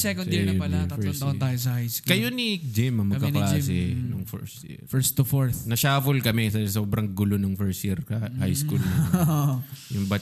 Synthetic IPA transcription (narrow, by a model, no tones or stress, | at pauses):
sɛkond̪jiɹɐpɐlafɛt̪t̪aːjos̬ɐhajskkːɐjonid͡ʒɪmɐŋmɐkːɐɐlas̬ɪnʊŋfɔ̰ɹst̪jḭɾfɛɹst̪ufoɹθnɐʃaːfʊlkɐmɛsɐsoːbɾɐŋɡʊlo̞nʊŋfɛɹst̪jiɾkɐhajskuln | jʊŋbɐ